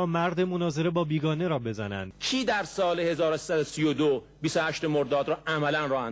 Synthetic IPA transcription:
ɒːmæɾd̪emonɒːze̞ɾe̞bɒːbiːɡɒːne̞ɾɒːbe̞zænæ̰nd̪̥cʰiːd̪æɾsɒːlehe̞zɒːɾosi̥ːsæd̪osijod̪o | biːsohæʃt̪emoɾd̪ɒːd̪ɾɒːʔæmælænɾɒːhæn

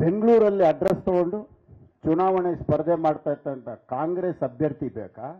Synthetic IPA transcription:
be̞ŋɡɭuːɾɐlːiɐɖɾest̪ɐkoɳɖu | t͡ʃunaːʋɐɳespɐɾd̪emaːɖt̪aːjɾt̪ɐnt̪ɐkaːŋɡɾeːsɐbʱjɐɾt̪ibɛːkaː

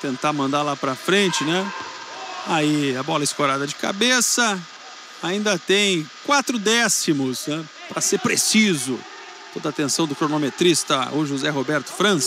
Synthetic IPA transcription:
t̪ẽnt̪amɐ̃nd̪aɾlapɾɐfɾẽnt͡ʃɪnɛ | aiabɔlɐɪskoɾad̪ɐd͡ʒɪka̰besɐ | aĩnd̪ɐt̪ẽj̃kwat̪ɾʊd̪ɛsimʊsnɛ | pɾɐseɾpɾesizʊ | t̪od̪aːt̪ẽsɐ̃w̃d̪ʊkɾonomet̪ɾist̪ɐ̰ʊʒuzɛɦobɛɾt̪ʊ̥fɾɐ̃s

